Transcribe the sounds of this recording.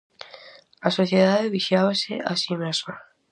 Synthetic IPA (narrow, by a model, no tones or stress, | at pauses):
asoθjeðaðeβiʃjaβasḛʔasimasa